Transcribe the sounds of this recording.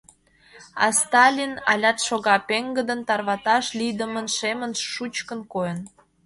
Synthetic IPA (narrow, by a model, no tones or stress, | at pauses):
ɑ̰st̪ɑlʲinɑ̰lʲɑt̪ʃoɣɑpeŋɡəd̪ənt̪ɑrβɑt̪ɑʃlid̪əmənʃemənʃut͡ɕkə̆nkojən